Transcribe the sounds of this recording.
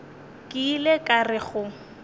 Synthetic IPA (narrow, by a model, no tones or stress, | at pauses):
kʼɪlekʼarɪχʊ